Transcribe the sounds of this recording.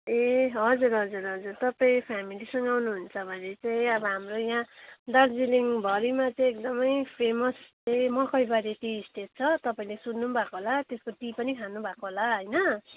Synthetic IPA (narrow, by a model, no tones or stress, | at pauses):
eɦʌd͡zuɾɦʌd͡zuɾɦʌd͡zurt̪ʌpaĩpʰamilisʌŋɡʌawnuɦunt͡sʰʌbʱʌnet͡saĩʌbʌɦamrojɦãd̪ʌrd͡ziliŋbʱʌɾimat͡saj̃ek̚d̪ʌmʌjpʰemʌst͡sʌĩmʌkʌjbaɾet̪iːsʈet̪̚t͡sʰʌt̪ʌpaĩlesunːubʱakoɦolat̪eskoʈipʌnikʰanubʱakoɦolaɦʌjnʌ